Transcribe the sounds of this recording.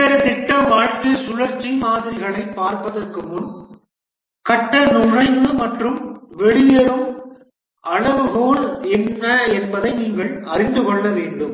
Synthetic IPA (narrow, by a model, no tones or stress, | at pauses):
ɐɾɐt̪ɪʈːɐʋaːʈ̪ːɯsʊɻɐɾt͡ʃːimaːðɪɾɪɣɐɭɐɪpːaːɾpɐðɐrkɯmɯn | kɐʈːɐnʊrɐɪnd̪ɯmɐʈrɯmʋɛɽɪjɐɾɯm | ʔɐɭɐʋɯɣoːɾɛnːɐɛnbɐðɐɪniːŋɡɐɭɐrɪnd̪ɯkɔɭːɐʋeːɳɖɯm